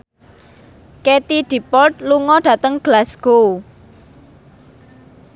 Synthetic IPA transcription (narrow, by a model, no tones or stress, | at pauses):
ket̪iɖ̥i̤pɔlt̪̚luŋɔɖ̥ä̤t̪əŋɡ̥lasɡ̥o